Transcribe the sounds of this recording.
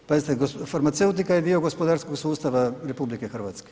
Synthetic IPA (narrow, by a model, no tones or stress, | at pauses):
pazit̪eɡofaɾmat̪se̞ut̪ikajed̪io̞ɡospod̪aɾsko̞ɡsuːst̪aʋaɾe̞publikexr̩ʋat̪ske̥